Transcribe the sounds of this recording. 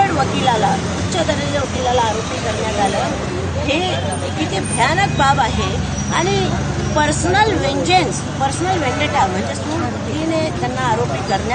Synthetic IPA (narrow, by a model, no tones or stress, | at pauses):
eɽʋəkilala | utːɕəd̪əɾed͡zʋəkilalaːɾopiːkəɾɳjat̪alə | ɦe | kit̪ʰebʱjanək̚babaɦe | aɽ̃i | pəɾsnəlʋeɲd͡ʑens | pəɾsnəlʋẽɳɖeʈam̤əɳd͡zesuːɽkuk̪linet̪janːaːɾopiːkəɾɳja